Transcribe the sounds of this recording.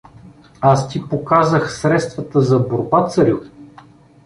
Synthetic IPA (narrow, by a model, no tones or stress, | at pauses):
ast̪ipokazəxsɾɛt̪st̪vət̪əzɐboɾbat̪sɐɾʲju